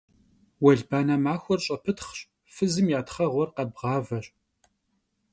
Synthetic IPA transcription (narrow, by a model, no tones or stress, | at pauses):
wɐɮbaːnamaːxʷɔrɕʼɐpʰɨtχɕ | fɨzɨmjaːtχɐʁʷɔrqɐbʁɑːvɐɕʼ